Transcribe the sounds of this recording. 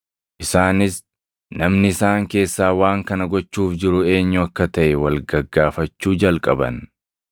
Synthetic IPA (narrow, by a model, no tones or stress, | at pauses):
ʔɪsaːnɪs | nɐmnɪɪsaːŋke̞ːsːaːwaːŋkɐnɐɡɔt͡ʃːuːfd͡ʒɪɾʊe̞ːɲːʊɐkːɐt̪ɐʔɛwɐlɡɐɡːaːfɐt͡ʃːuːd͡ʒɐlkʼɐbɐ̰n